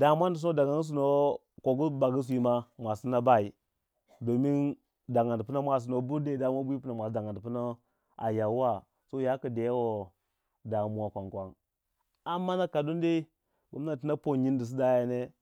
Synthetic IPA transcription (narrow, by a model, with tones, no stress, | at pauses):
da˨mʷ˦a˦ndi˨u˦no˦da˨ɡa˦n˦s̬u˦no˦ | ko˨ɡu˦ba˨ɡi˦s̬ʷi˦ma˦mʷa˨si˦na˦ba˦i˨ | do˨mi˦n | da˨ŋa˨ndpu˦na˦mʷa˨s̬i˨no˨bu˦de˦da˨m˦a˦bu˦i˦pu˦na˨mʷ˨a˨˦da˨ŋa˨n˨pu˦na˦ | a˨ja˨˦wa˦ | so˦ja˦ka˨de˨jwo˦ | da˨˦mu˦wa˨kʷa˨ŋkʷa˦ŋ | a˨mːa˦na˦ka˨do˦nde˦i˦ | ba˨˦m˦na˨ti˦na˦po˦ɲi˦n˦di˨s̬i˦da˦ja˨ne˦